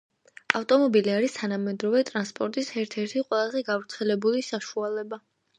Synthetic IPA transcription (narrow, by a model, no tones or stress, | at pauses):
aft̪ʼɔmɔbiliaɾist̪ʰanamɛd̪ɾɔvɛt̪ʼɾanspʼɔɾt̪ʼisɛɾt̪ʰɛɾt̪ʰiqʼwɛlˠazɛɡavɾt̪sʰɛlɛbulisaʃualɛba